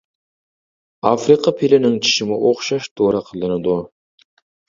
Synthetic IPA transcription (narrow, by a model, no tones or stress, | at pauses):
ɑfɾiqʰɑpʰelɪnɪŋt͡ʃʰi̥ʃɪmɪʔoχʃɑʃt̪ʰoɾɑqʰəlˠɨnɨd̪u